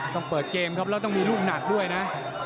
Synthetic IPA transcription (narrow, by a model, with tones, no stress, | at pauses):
t̪ɔ˥˩ŋpɤː˨˩t̪̚keː˧mkʰa˦˥p̚lɛː˧˥wt̪ɔ˥˩ŋmiː˧luː˥˩p̚na˨˩k̚du˥˩əjna˦˥ʔ